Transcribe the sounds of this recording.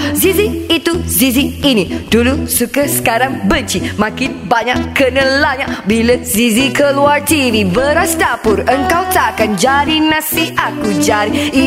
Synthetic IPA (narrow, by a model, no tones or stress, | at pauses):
ziziit̪uziziinidulusukəsə̥kaɾaŋbənt͡ʃimãkɪnbaɲaʔkənə̃laɲaʔbiləzizikəluart̪ivibəɾast̪apʊɾəŋkawt̪akand͡ʒaɾinãsiakud͡ʒaɾii